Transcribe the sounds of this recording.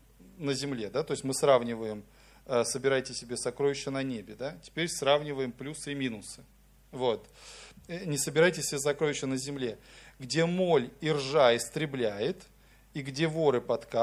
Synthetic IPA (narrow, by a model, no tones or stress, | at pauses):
nəzʲɪmlʲe̞d̪at̪oɪsʲmɨsravnʲɪvəjɪm | əsəbʲɪɾajtʲɪsʲɪbʲesɐkɾo̞jɪɕːənɐnʲebʲɪd̪atʲɪ̥pʲeɾʲsravnʲɪvəjɪmplʲusɨmʲinʊsɨ̥ | vo̞t̪ | nʲɪsəbʲɪɾajtʲɪsʲɪbʲesɐkɾo̞jʲɪɕːənəzʲɪmlʲe̞ɡdʲe̞mo̞lʲirʐaɪst̪ɾʲɪblʲæjɪt̪ | iɡdʲe̞vo̞ɾɨpɐt̪ka